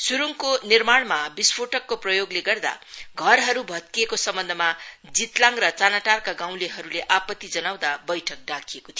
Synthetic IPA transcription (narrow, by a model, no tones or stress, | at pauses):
suɾuŋkonirmaɽmabispʰoʈʌkːoprʌjoɡleɡʌrd̪a̰ɡʱʌrɦʌɾubʱʌt̪̚kiekosʌmbʌnd̪ʱʌmad͡zit̪lãŋrʌt͡sanaʈarkaɡãw̃leɦʌɾuleʔapʌt̪ːid͡zʌnaw̃d̪abʌjʈʰʌk̚ɖakʰijekot̪ʰj